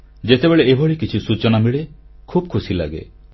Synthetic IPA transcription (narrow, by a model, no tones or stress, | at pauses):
d͡ʒet̪ebeɭeebʱɔɭikit͡ʃʰisut͡ʃɔnamiɭe | kʰub̚kʰusila̰ɡḛ